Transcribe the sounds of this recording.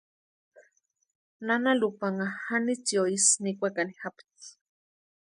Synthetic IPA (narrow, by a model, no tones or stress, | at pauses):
nanalupaŋahanit͡sioisnikʷakanihapt͡s